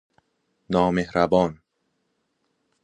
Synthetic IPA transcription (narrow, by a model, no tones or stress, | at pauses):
nɔːmehɾabɔːn